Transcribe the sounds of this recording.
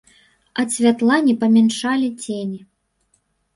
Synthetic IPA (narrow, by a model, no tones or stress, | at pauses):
ɐsʲvʲat̪lˠanʲipɐmʲɛnʂalʲit͡sʲenʲi